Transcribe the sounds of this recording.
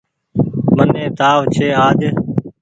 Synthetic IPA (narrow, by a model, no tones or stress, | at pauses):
mənẽːt̪aːʋt͡ʃʰeːaːd͡ʒ